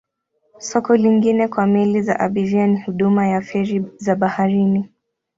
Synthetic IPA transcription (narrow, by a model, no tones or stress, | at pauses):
sɔkɔliŋɡinɛkwamiliza̰ʔaɓivianihuɗumajafɛɾizaɓahaɾini